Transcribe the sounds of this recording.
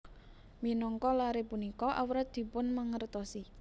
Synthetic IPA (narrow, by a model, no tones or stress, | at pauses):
minɔŋkɔlaɾepunikɔʔawɾat̪̚d̪̥i̤pʊnməŋərt̪ɔsi